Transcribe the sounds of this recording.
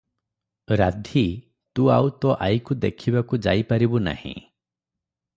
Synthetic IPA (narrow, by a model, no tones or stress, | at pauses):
ɾad̪ʱi | t̪uawt̪ɔʔajkud̪ekʰibakud͡ʒa̰jpaɾibuna̰hḭ̃